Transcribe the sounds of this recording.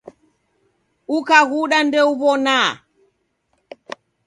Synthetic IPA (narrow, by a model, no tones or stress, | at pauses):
ukaɣuɗandɛuβɔna